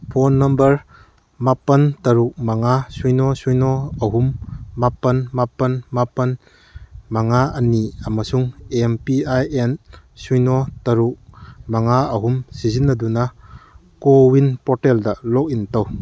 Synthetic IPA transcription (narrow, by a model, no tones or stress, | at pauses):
pʰɔnːɐmbɐɾ | mapɐntɐɾuk̚maŋasujnɔsujnɔɐɦumːapɐnmapɐnmapɐn | maŋaɐniamasuŋempiajensujnɔtɐɾuk̚maŋaɐɦumsizinːɐduna | kowinpɔtɛldɐlɔk̚intaw